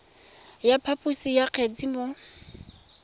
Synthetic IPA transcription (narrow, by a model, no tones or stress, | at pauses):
japʰapʼusijaq͡χʰɛt͡simʊ